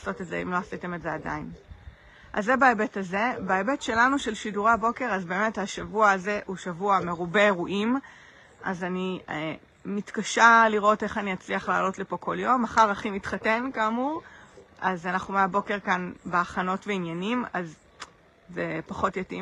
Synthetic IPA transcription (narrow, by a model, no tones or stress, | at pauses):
aso̞tetzḛḭmlo̞asite̞metzeada̰in | ʔa̰zːebaebetaze̞baebetʃe̞lanuʃe̞lʃiduʁeabo̞ke̞ʁazbe̞ːme̞thaʃavuaːze̞ʔuʃavuame̞ʁube̞eʁuʔim | ʔa̰zani | mitkaʃaliʁo̞te̞χaniat͡sliaχla̰ːlo̞tlipo̞kʰo̞ljo̞maχaʁaχimitχate̞nkaːmuʁazanaχnumeabo̞ke̞ʁkanbeaχano̞tveinjanimazː | epaχo̞tjatḭ